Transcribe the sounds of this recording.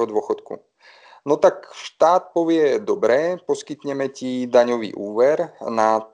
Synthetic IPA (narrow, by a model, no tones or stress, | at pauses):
ɦɔd̪ʋʊɔxɔt̪kṵ | nɔt̪akʃt̪aːt̪̚pɔʋɪɛd̪ɔbɾɛːpɔskit̪ɲɛmɛcid̪aɲɔʋḭːʔuːʋɛɾna